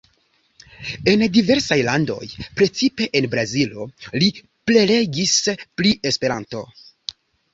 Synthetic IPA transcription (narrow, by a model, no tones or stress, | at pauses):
e̞ndive̞ɾsajlando̞̰jpɾe̞t͡sipe̞ʔenbɾazilo̞̰li | ple̞le̞ɡispliʔe̞spe̞ɾanto̞̰